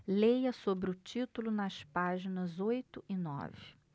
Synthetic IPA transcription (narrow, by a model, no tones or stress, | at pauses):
lejɐsobɾɪʊt͡ʃit̪ulʊnɐspaʒinɐzojt̪ʊʔɪnɔ̰vɪ